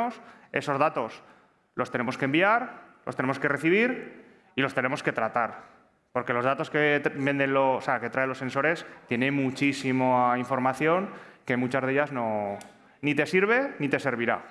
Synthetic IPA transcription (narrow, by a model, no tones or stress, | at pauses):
ose̞̰so̞zðat̪o̞s | lo̞st̪e̞ne̞mo̞skembiaɾlo̞st̪e̞ne̞mo̞ske̞re̞θiβ̞iɾ | ilo̞st̪e̞ne̞mo̞ske̞t̪ɾat̪aɾ | po̞ɾke̞lo̞zðat̪o̞skeβe̞nd̪e̞nlooseake̞t̪ɾaelo̞se̞nso̞ɾe̞st̪je̞nẽ̞mut͡ʃisimoaiɱfo̞ɾmaθjo̞ŋke̞mut͡ʃazð̞e̞ʎazno | nit̪e̞siɾβ̞e̞nit̪e̞se̞ɾβiɾa̰